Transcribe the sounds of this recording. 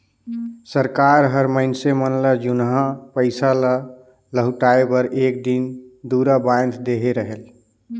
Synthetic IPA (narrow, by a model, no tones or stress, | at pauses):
səɾkaɾɦəɾməɪnsemənlad͡ʒunɦãpəɪsalə | ləɦuʈaebəɾʔek̚d̪ind̪uɾabajnd̪d̪eɦeɾəɦel